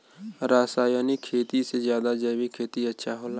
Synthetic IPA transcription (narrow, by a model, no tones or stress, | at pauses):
ɾaːsaːjonikʰeːt̪isezjaːd̪ad͡ʒəːbikʰeːt̪iɐtːʃʰaɦoːla